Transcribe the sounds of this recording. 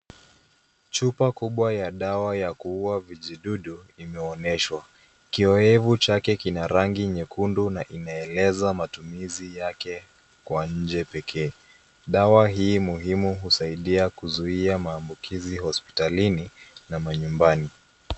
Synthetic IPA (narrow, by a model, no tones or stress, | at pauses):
t͡ʃupakuɓwajaɗawajakuuaviʄiɗuɗuimɛɔnɛʃwa | kiɔɛvut͡ʃakɛkinaɾaŋɡiɲɛkundunaʔinaɛlɛzamatumizijakɛ | kwaɲ̩d͡ʒɛpɛkʰɛː | ɗawaɦiːmuɦimuɦusaiɗiakuzuiamaːmbukʰiziɦɔspi̥talininamaɲumbani